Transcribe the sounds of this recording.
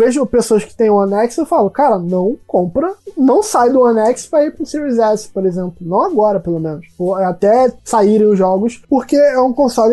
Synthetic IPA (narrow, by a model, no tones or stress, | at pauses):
veʒʊpesoɐʃkɪ̥t̪ẽj̃ũɐ̃nɛksewfalʊkaɾɐnɐ̃w̃kõmpɾɐnɐ̃w̃sajd̪ʊɐ̃nɛkspɾɐipɾʊ̃siɾiizɛspoɾezẽmplʊnɐ̃w̃aɡɔɾɐpelomẽnʊsoat̪ɛsaiɾẽj̃ʊzʒɔɡʊspoɾkeɛũkõsɔlɪ